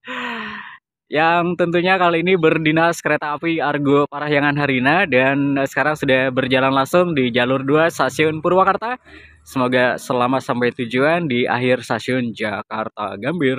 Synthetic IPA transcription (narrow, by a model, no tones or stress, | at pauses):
jaŋt̪ənt̪uɲakaliːnibərdinaskəɾet̪aːpiarɡopaɾaɦjaŋanɦaɾinadansə̥kaɾaŋsudahbərd͡ʒalanlaŋsʊŋdid͡ʒalʊrduast̪asiʊnpurwakart̪a | səmoɡasəlamasampajt̪ud͡ʒuandia̰ɦɪrst̪asiʊnd͡ʒakart̪a̰ɡambɪr